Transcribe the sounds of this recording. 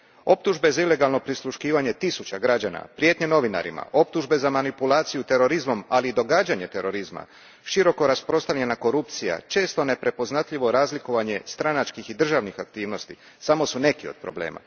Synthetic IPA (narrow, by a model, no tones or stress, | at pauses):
o̞p̚t̪uʒbe̞zaile̞ɡalˠno̞pɾislˠuʃkiːʋaɲe̞t̪isut͡ɕaɡɾad͡ʑana̰pɾje̞t̪ɲeno̞ʋina̰ɾḭma̰o̞p̚t̪uʒbe̞zamanipulaːt̪sijut̪e̞ɾo̞ɾizmo̞maliːd̪o̞ɡaːd͡ʑaɲe̞t̪e̞ɾo̞ɾizma̰ | ʃiɾo̞ko̞ɾaspɾo̞st̪aʋʎʲenako̞ɾupt̪sija̰t͡ʃe̞ːst̪o̞ne̞pɾe̞po̞znat̪ʎiʋo̞ɾaːzlikoʋaɲe̞st̪ɾanat͡ʃkixid̪r̩ʒaʋnixak̚t̪iːʋno̞st̪i | samo̞sune̞kio̞̰d̪̚pɾo̞̰ble̞̰ːma̰